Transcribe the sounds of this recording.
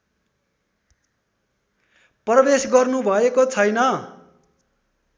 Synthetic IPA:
prʌbesɡʌrnubʱʌekot͡sʰʌjnʌ

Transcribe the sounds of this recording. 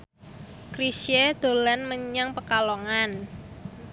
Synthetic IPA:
kɾisjed̪̥o̤lanməɲaŋpəkalɔŋan

